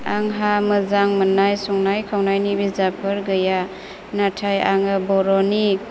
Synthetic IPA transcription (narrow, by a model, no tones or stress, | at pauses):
aŋɦaməzaŋmənajsɔŋnajkʰawnajnibizapʰɯɾɡəja | natʰajaŋɯbɔɾɔni